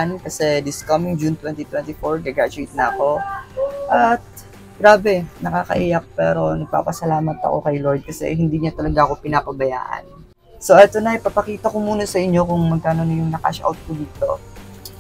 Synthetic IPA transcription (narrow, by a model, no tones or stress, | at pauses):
nkɐsɛd̪ɪskɐmɪŋd͡ʒunt̪wɛnt̪it̪wɛnt̪ɪfoɹkɐɡaːd͡ʒʊɪt̪̚nɐɐko̞ | ʔɐt̪̚ | ɡ̥ɾaːbɛnɐka̰ːkɐ̰ʔiːjɐk̚pɛ̰ːɾo̞nɐɡ̚pa̰ːpɐsɐlaːmɐt̪ɐ̰ko̞̰kɐjlo̞ɹd̪̚kɐsɛ̰hɪnd̪iːɲɐt̪ɐlɐɡaʔɐko̞pɪnapɐbɐja̰ːʔɐ̰n | so̞ʔɛt̪o̞nɐɐjpɐpɐkiːt̪ɐkomuːnɐsɐʔɪɲːo̞kʊŋmɐɡ̚kaːno̞nɐjʊŋnɐka̰ʃʔa̰wt̪̚kod̪iːt̪o̞̰